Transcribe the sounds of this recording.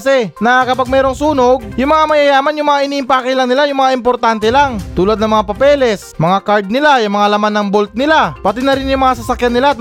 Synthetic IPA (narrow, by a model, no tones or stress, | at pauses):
sɛnɐkɐpaɡ̚mɛːɾoŋsuːnoɡ̚jʊŋmɐŋamɐjɐjaːmɐnjʊŋmɐŋaʔɪniːʔɪmpaːkɐjlaŋnɪlajʊŋmɐŋaʔɪmpoɾt̪ant̪ɛlaŋt̪uːlad̪nɐŋmɐŋapɐpɛːlɛs | mɐŋakaɹd̪̚nɪlajʊŋmɐŋalɐmanːɐŋbolt̪̚nɪlapɐt̪ɪnɐɾɪnjʊŋmɐŋas̬ɐsɐkjanːɪlaʔɐt̪̚